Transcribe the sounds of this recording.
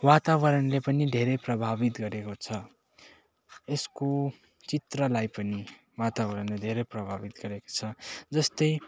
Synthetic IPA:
wat̪aβʌɾʌnlepʌnid̪ʱeɾʌjprʌbʱabit̪ɡʌɾekot͡sʰʌ | esko | t͡sit̪rʌlajpʌni | wat̪abʌɾʌnled̪ʱeɾʌjprʌbʱabit̪ɡʌɾeko̥t͡sʰʌd͡zʌst̪ʌj

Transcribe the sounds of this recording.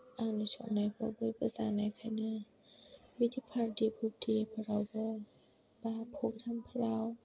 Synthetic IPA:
ʔanasʰɔ̰ŋnajkʰɔbuːpasaːnajkʰana | wit̪ʰiːpʰaːd̪iːpʰuk̚t̪iːpʰaɾawbɔː | baːpʰok̚t̪ʰampʰaɾaw

